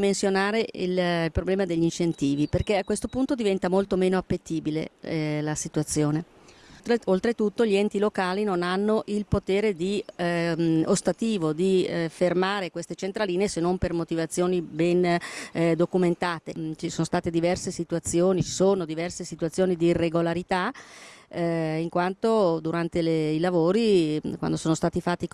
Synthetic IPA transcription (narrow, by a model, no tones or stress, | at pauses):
mensjonaːɾeḭllpɾoblɛːmad̪eʎːint͡ʃent̪iːviperkeakːwest̪opunt̪od̪ivɛnt̪amolt̪omeːnoapːet̪ːiːbilḛlasit̪uat̪sːjoːne | eolt̪ɾet̪ut̪ːoʎiɛnt̪ilokaːlinonanːoʔilpot̪eːɾed̪i | ost̪at̪iːvod̪ifermaːɾekwest̪et͡ʃent̪ɾaliːneːsenːompermot̪ivat̪sːjoːnibɛn | d̪okument̪aːt̪et͡ʃisoːnost̪aːt̪ed̪ivɛrsesit̪uat̪sːjoːnit͡ʃi̥soːnod̪ivɛrsesit̪uat̪sːjoːnid̪iːrːeɡolaɾit̪a | iŋkwant̪od̪uɾant̪eleilavoːɾikwa̰nd̪osoːnost̪aːt̪ifat̪ːik